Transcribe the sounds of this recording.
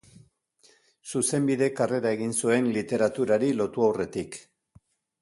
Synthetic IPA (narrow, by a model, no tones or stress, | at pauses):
suse̞mbiðe̞kare̞ɾae̞ɣinsue̞nlit̪e̞ɾat̪uɾaɾilo̞t̪uawre̞t̪ik